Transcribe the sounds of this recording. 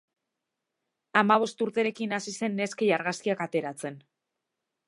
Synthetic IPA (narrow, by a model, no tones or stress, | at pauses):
amaβ̞o̞st̪uɾt̪e̞ɾe̞kinasise̞nːe̞skejaɾɣaskiakat̪e̞ɾat͡se̞n